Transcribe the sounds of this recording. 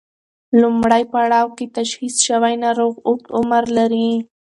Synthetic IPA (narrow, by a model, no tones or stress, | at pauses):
lʊmɽajpaɽɑwket̪aʃhisʃawajnaɾoɣʊʈʊmaɾlaɾi